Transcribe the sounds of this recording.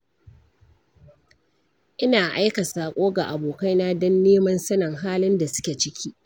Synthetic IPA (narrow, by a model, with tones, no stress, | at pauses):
ʔɪ˦naː˨ʔa˦jkɐ˨saː˨kʷʼoː˦ɡa˨ʔa˨boː˨ka˦jna˦dɔ˦nːeː˦mɐ˦nsɐ˦nɐ˨ŋɦaː˦lɪ˦nda˨sʊ̥˦kʲe˨t͡ʃɪ˦kʲʰiː˦ʔ